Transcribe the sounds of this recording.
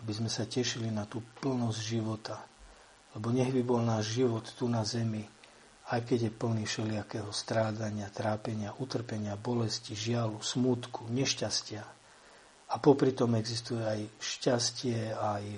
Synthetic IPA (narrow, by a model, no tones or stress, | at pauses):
abizmɛsacɛʃilinat̪uːpl̩nɔzɟʒiʋɔt̪a | lɛbɔɲɛɣbibɔlnaːʒʒiʋɔt̪ːunazɛmi | ajkɛɟjɛpl̩niːfʃɛlɪakɛɦɔst̪ɾaːdaɲɪat̪ɾaːpɛɲɪaʔut̪r̩pɛɲɪabɔlɛsciʒɪalusmut̪kuɲɛʃcascɪa | apɔpɾit̪ɔmɛɡzist̪ujɛajʃcascɪɛaj